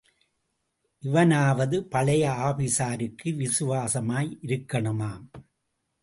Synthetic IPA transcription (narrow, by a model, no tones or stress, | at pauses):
ʔɪʋɐnaːʋɐðɯpɐɭɐjɐaːpɪsaːɾɯkʰːɯʋɪsɯʋaːsɐmaːjʔɪɾɯkːɐɳɯmaːm